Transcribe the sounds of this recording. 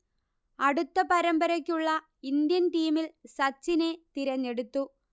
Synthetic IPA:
ɐɽut̪ːɐpɐɾɐmbɐɾɐkʲːuɭːɐ | ind̪jɐnʈiːmilsɐt͡ɕːine̞t̪iɾɐɲːe̞ɽut̪ːu

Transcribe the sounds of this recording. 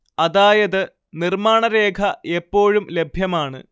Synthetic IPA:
ɐðaːjɐðɨ | nirmaːɳɐɾe̞ːkʰɐepːo̞ːɻumle̞bʱjɐmaːɳɨ̰

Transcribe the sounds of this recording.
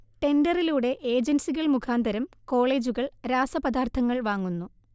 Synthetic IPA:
ʈe̞ndɐriluːɽe̞ʔe̞ːd͡ʑensiɣɐɭmukʰaːnd̪ɐɾɐm | ko̞ːɭe̞ːd͡ʑuɣɐɭɾaːsɐpɐd̪aːrt̪ʰɐŋːɐɭʋaːŋːunːu

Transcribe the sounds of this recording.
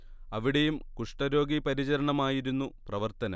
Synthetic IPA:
ɐʋiɽejumkuʂʈɐɾo̞ːɡipɐɾit͡ɕɐɾɐɳɐmaːjiɾunːuprɐʋɐrt̪ɐnɐ̰m

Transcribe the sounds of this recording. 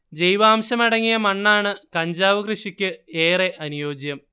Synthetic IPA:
d͡ʑe̞jʋaːmɕɐmɐɽɐŋːijɐmɐɳːaːɳɨkɐɲd͡ʑaːʋɐkrɨʂikʲːɨeːreʔɐnujo̞ːd͡ʑjɐm

